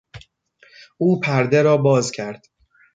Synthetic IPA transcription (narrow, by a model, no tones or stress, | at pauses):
ʔuːpʰæɾd̪e̞ɾɒːbɒːzcʰæɾd̪̥